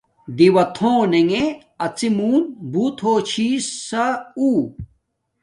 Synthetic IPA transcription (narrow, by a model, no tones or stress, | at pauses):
d̪iwɐt̪ʰõːneŋe | ɐt͡simuːnbuːt̪ʰoːt͡ɕʰiːsɐuː